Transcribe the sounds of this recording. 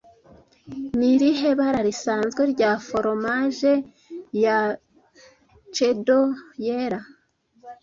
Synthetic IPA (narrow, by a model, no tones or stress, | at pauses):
niɾiɦe̞βaɾaɾisaːnzɡweɾɟafo̞ɾo̞maʒe̞ | ja | t͡ʃedojeɾa